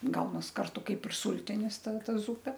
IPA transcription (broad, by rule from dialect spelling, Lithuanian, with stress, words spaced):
ˈɡɐʊnɐs ˈkɐrtʊ ˈkɐɪp ɪr ˈsʊlʲtʲɪnʲɪs ˈtɐ ˈtɐ ˈzʊpʲɛ